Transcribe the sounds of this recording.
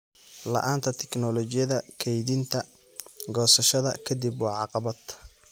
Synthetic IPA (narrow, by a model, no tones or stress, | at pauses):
lɐ̰ʔaːnt̪ʰɐt̪ʰɛ̥knɔlɔt͡ʃɪjɐðɐkʰɛjðɪnt̪ʰɐ | ɡɔːsɐʃɐðɐ̰kʰɐd̪ibwɑːʕɑqɑβɐd̪